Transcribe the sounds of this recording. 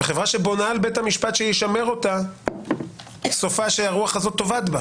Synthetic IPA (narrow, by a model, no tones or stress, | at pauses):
eχevʁaʃebo̞nalbethamiʃpat̪ʃejeʃame̞ʁo̞ta | so̞faʃeaʁuaχazo̞t̪ːo̞vat̪ba